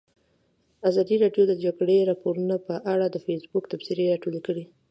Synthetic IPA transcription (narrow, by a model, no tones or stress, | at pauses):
azɑd̪iɾɑɖjod̪əd͡ʒaɡɽeɾɑpoɾunapəʔaɽad̪əfesbʊkt̪afsiɾeaʈolikəɽi